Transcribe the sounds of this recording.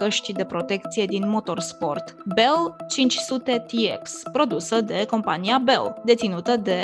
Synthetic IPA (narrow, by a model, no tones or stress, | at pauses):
əʃt̪id̪e̞pɾo̞t̪e̞k̚t̪sije̞d̪inmo̞t̪o̞rspo̞̰rt̪belt͡ʃint͡ʃʲsut̪e̞t̪iḛkspɾo̞d̪usəd̪e̞ko̞mpaniabe̞̰ld̪e̞t̪sinut̪əd̪e̞